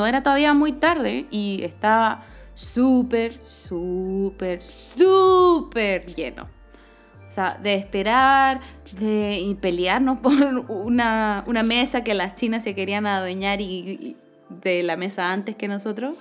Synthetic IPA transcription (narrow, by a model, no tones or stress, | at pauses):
noe̞ɾat̪o̞ðaβiamujt̪aɾðe̞̰iest̪aβasupeɾsupeɾsupeɾʝe̞̰no̰ | saðe̞ːspe̞ɾaɾðeipe̞ljaɾno̞spoɾunauname̞sakelast͡ʃinasːe̞ke̞ɾianaðweɲaɾi | ðe̞lame̞saant̪ehke̞no̞so̞t̪ɾo̞s